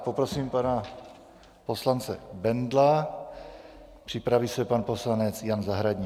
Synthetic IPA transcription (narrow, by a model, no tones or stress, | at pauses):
po̞pɾo̞siːmpana | po̞slant͡sɛbɛndla | pr̥ɪpɾavisɛpanpo̞slanɛt͡sjanzaɦɾaɟɲi